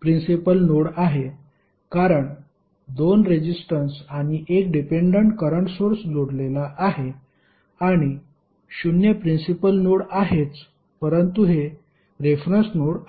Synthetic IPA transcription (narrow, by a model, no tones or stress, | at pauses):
pɾinsipəlnoɽaɦe | kaɾəɳ | d̪onɾed͡ʑisʈənsaɽ̃iʔek̚ɖipeɳɖəɳʈkəɾəɳʈsoɾsd͡zoɽlelaʔaɦe | aɽ̃i | ɕunjəpɾinsipəlnoɽaɦet͡s | pəɾənt̪uɦe | ɾefɾənsnoɽ